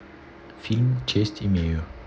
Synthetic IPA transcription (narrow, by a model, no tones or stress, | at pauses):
filmt͡ɕʰesd̥ime